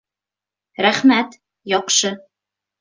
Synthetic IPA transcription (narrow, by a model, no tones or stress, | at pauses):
ɾæχmæt̪ | jɒqʃɤ